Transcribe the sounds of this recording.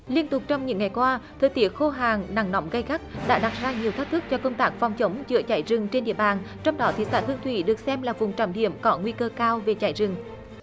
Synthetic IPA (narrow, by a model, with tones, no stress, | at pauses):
li˧ənt̪ʊ˨˩k͡p̚t͡ɕɔ˧wŋ͡mɲɨ̰˧˥ŋːa˨˩jkwaː˧t̪ʰəː˧˩jt̪ḭ˧˦əxo˧ɦaː˨˩ŋna˨˧˩ŋnɔ˨˦wŋ͡mɣa˧jɣa˦˥k̚ɗa̰ː˧˥ɗa˨˩t̚zaː˧ɲi˨˩ət̪ʰə˦˥k̚t̪ʰɨ˦˥k̚t͡ɕɔ˧kə˧wŋ͡mt̪aː˦˥k̚fa˨˩wŋ͡mt͡ɕə˨˦wŋ͡mzɨ̰˧˥ət͡ɕa̰ː˧˩jzɨ˨˩ŋt͡ɕe˧nɗḭ˧˨əɓaː˨˩n | t͡ɕɔ˧wŋ͡mɗɔ˨˦t̪ʰḭ˨˩sa̰ː˧˥t̪ɨ˧əŋt̪ʰwḭ˧˩ɗɨ˨˩ək̚sɛ˧mlaː˨˩vʊ˨˩ŋ͡mt͡ɕa˧˩mɗḭ˧˥˨əmkɔ˨˦ŋwi˧kəː˧kaː˧wve˨˩t͡ɕa̰ː˧˩jzɨ˨˩ŋ